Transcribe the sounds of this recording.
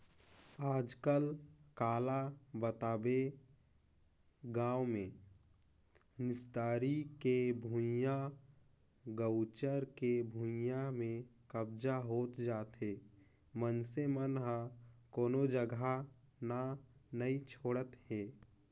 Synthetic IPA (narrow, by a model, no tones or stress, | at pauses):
aːd͡ʒkəlkaːlabət̪aːbe | ɡãːwmẽ | nɪst̪aːɾikebʱũja | ɡəʊt͡ʃəɾkebʱũjamẽkəbd͡ʒaɦoːt̪d͡ʒaːt̪ɦeː | mənsemənɦakoːnod͡ʒəɡʱa | nanəit͡ʃʰoːɽət̪ɦeː